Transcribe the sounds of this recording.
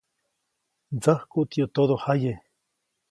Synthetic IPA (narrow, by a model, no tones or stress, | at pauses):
d͡zəhkut̪jot̪oðohaje